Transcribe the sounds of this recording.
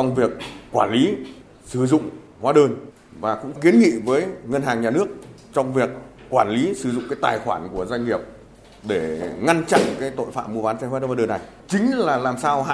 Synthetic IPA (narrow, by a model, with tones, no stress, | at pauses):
t͡ɕɔ˧wŋ͡mvi˨˩ək̚ːwaː˧˩nli˨˦ | sɨ˧˩zʊ̰˧˨ŋ͡m | hwaː˨˦ɗəː˧n | vaː˨˩kʊ̰˧˥ŋ͡mki˨˦ənŋḭ˧˨vəː˨˦jŋə˧nɦaː˨˩ŋɲaː˨˩nɨ˦˥ək̚ | t͡ɕɔ˧wŋ͡mvi˨˩əkː | waː˧˩nli˨˦sɨ˧˩zʊ̰˧˨ŋ͡mkaː˨˦jt̪aː˨˩jxwaː˧˩nku˧˩əzwa˧jŋ̟ŋi˨˩əp̚ | ɗe˧˩ŋa˧nt͡ɕa̰˧˨ŋkaː˨˦jt̪o̰˧˨jfa̰ː˧˨mu˧vaː˨˦nsa˧ŋhwɗə˧va˧˦ɗəː˧˩nːa˨˩j | t͡ɕï˨˦ŋ̟laː˨˩laː˨˩msaː˧wha̰˧˨